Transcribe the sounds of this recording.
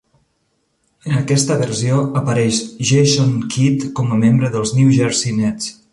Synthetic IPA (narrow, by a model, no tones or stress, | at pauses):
ənəkɛst̪əβərsioəpəɾɛʃʒeʃonkʰit̪kɔməmembɾəðəlˠzniwʒəɾsinɛt͡s